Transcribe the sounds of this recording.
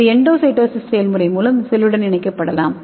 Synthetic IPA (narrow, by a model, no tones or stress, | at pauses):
ɛɳɖoːsɐɪʈːɐːssejɐlmʊrɐɪmuːlɐmsɛlːɯɽɐnɪɳɐɪkːɐpːɐɽɐlaːm